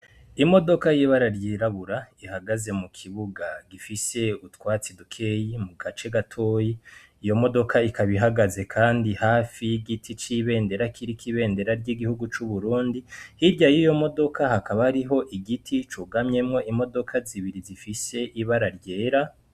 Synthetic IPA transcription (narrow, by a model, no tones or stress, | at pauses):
imo̞do̞kajiβaɾaɾjeːɾaβuɾaihaɡaze̞mukʰiβuɡaɡifise̞utkwaːt͡sidukʰejimuɡat͡ʃe̞ɡatʰo̞ːji | ijo̞mo̞do̞kʰaikʰaβiɦaɡaze̞kʰaːndihaːfijiɡitʰit͡ʃiβe̞ːnde̞ɾakʰiɾikiβe̞ːnde̞ɾaɾɟiɡihuɡut͡ʃuβuɾuːndihiɾɟajijo̞mo̞do̞kʰahakaβaɾiɦo̞ʔiɡitʰit͡ʃuɡamɲe̞mŋo̞ʔimo̞do̞kʰaziβiɾizifise̞ʔiβaɾaɾɟeːɾa